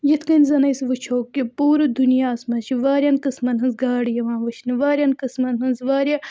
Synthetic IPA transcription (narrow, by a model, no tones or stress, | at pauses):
jɐt̪ʰkɐnʲzɐnɐjsʋɨt͡ʃʰoːkːipuːɾɨd̪unjaːsmɐt͡ʃʰiʋaːɾʲjɐnkɨsmɐnɦɐnzɡaːɽjɐʋãːnʋɐt͡ʃʰnɨʋaːɾʲjɐnkɨsmɐnɦɐnzʋaːɾʲja